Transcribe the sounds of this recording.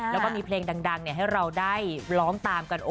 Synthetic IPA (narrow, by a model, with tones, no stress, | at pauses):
lɛ˦˥wkaː˥˩miː˧pʰleː˧ŋda˧ŋda˧ŋni˥˩ɐɦa˥˩jɾa˧wdaː˥˩jlɔː˦˥ŋt̪aː˧mka˧nʔo˧